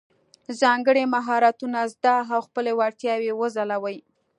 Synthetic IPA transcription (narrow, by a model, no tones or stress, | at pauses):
zɑŋɡəɽemaɦɑɾat̪unazd̪ɑɦawxpəlewaɾt̪jɑwewəzalawəj